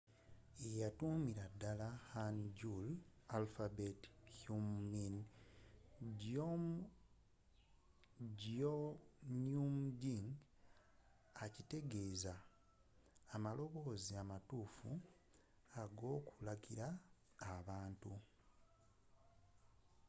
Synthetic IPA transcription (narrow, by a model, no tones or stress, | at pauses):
ejatumiɾadːalahanɟulalfabethumnin | ɟo | ɟonjumɟiŋɡ | acite̞ɡe̞ːza | malo̞βo̞ːziamatuːfu | aɡo̞ːkulaɡiɾaː | βaːntu